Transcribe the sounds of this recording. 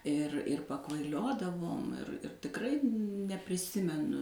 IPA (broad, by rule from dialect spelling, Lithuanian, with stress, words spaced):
ɪr ɪr pɐkʋɐɪˈlʲoːdɐʋoːm ɪr ɪr tʲɪkˈrɐɪ nʲɛpʲrʲɪˈsʲɪmʲɛnʊ